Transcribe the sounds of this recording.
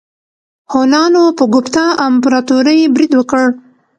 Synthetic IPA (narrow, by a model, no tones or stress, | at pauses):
honɑnopəɡʊpt̪ɑampɾɑt̪uɾəjbɾid̪wəkəɽ